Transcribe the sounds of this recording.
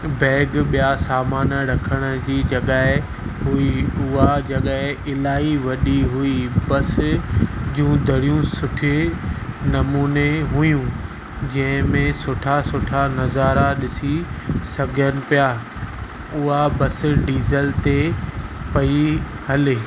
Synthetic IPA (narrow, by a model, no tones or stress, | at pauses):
bɛːɡɓijasaːmaːnəɾɐkʰəɽ̃ə̆d͡ʑiːd͡ʑɐɠaːɦɪ | ɦʊiʊɦad͡ʑɐɠaːɦɪɪlaːiʋɐɗiɦʊibɐs | d͡ʑũːd̪ʱɐɽijũsʊʈʰɪ | nɐmuːneɦʊjũ | d͡ʑɐ̃ɦɪ̃mẽsʊʈʰasʊʈʰanɐzaːɾaɗɪsisɐɡʱənɪ̆pijaː | ʊɦabɐsɪɖiːzəlt̪e | pɐi | hɐlɪ